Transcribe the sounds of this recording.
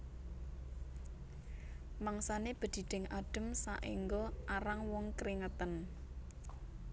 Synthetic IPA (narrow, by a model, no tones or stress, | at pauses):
maŋsaneb̥ə̤d̪̥i̤ɖ̪̥ɪ̤ŋaɖ̥ə̤msa̰ʔiŋɡɔʔaɾaŋwɔŋkɾiŋət̪ən